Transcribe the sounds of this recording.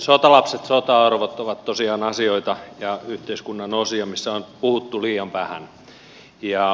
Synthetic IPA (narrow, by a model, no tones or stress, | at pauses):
sot̪ɑlɑpset̪sot̪ɑɑrʋot̪oʋɑt̪t̪osiɑːnɑsioit̪ɑjɑyht̪eiskunːɑnosiɑmisːæonpuhut̪ːuliːɑmʋæhæ̰n | jɑ